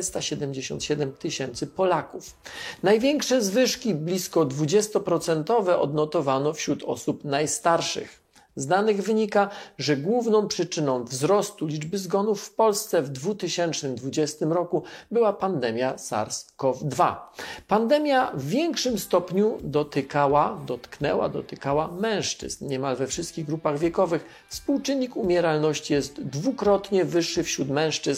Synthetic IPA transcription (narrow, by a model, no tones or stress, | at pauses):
st̪aɕɛd̪ɛmd͡ʑeɕɔ̰nt̪ɕɛd̪ɛmt̪ɘɕɛnt̪sɘpɔlakufnajvʲjɛŋkʂɛzvɘʂkʲiblʲiskɔd̪vud͡ʑɛst̪ɔpɾɔt̪sɛnt̪ɔvɛʔɔd̪nɔt̪ɔvanɔfɕɾut̪ʰɔ̰supnajst̪aɾʂɘ̰x | zd̪anɘɣvɘɲikaʐɛɡwuvnɔ̃w̃pʂɘt͡ʂɘnɔ̃w̃vzɾɔst̪ulʲid͡ʐbɘzɡɔnufːpɔlst̪sɛvd̪vut̪ɘɕɛnt͡ʂnɘmd̪vud͡ʑɛst̪ɘmɾɔkubɘwapand̪ɛmʲjasa̰ɾskɔvd̪va̰pand̪ɛmʲjavvʲjɛŋkʂɘmst̪ɔpɲud̪ɔt̪ɘkawad̪ɔt̪knɛ̰wa̰d̪ɔ̰t̪ɘkawamɛ̃w̃ʂt͡ʂɘ̰znɲɛmalvɛfʂɘst̪kʲiɣɡɾupaɣvʲjɛkɔvɘx | fspuwt͡ʂɘnʲːikumʲjɛɾalnɔɕt͡ɕijɛst̪d̪vukɾɔt̪ɲɛvɘʂːɘfɕɾut̪mɛ̃w̃ʂt͡ʂɘzn